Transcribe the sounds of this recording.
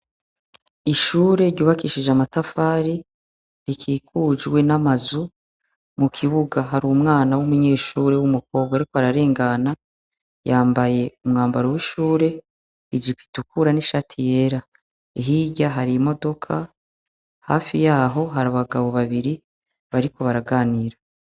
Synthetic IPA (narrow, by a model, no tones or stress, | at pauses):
iʃuːɾe̞ɾɟuːβakiʃid͡ʒamatafaːɾi | ɾikʰiːkʰud͡ʒwe̞namazu | mukʰiβuɡaɦaɾumŋaːnawumuɲe̞ːʃuːɾe̞wumuko̞ːb̚ɡaɾikohaɾaɾe̞ːŋɡana | jaːmbaje̞umŋaːmbaɾowiʃuːɾe̞ | id͡ʒipi̥tukuɾaniʃatʰije̞ɾa | iɦiɟaɦaɾimo̞do̞kʰa | ha̰ːfijaːɦo̞ɦaɾaβaɡaβo̞βaβiɾi | βaɾiko̞βaɾaɡaːniɾa